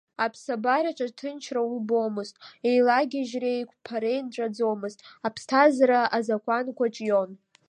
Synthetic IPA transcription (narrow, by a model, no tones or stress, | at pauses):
apʰsabaraʈ͡ʂʼatʰɨnt͡ʃʰraubo̞mɨztʼe̞jlaɡʲaʒrejkʷʰʼpʰaɾe̞jnʈ͡ʂʼad͡zo̞mɨztʼapʰstʰazaɾaʔazakʷʰankʷʰaʈ͡ʂʼjo̞n